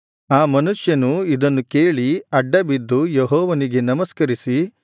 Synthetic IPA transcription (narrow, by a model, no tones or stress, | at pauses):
aːmɐnuʂjɐnuid̪ɐnːuke̞ːɭiɐɖːɐbid̪ːujeɦɔːʋɐniɡe̞nɐmɐskɐɾisi